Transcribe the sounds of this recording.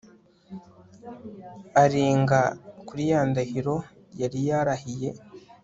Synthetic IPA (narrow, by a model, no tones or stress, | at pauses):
aɾiːŋɡakuɾijaːndahiɾo̞ | jaɾijaɾahije̞